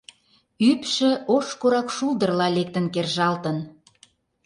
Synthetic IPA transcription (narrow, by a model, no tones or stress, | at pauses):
ypʃə̆oʃkoɾɑkʃuld̪ərlɑlek̚t̪ənkerʒɑlt̪ən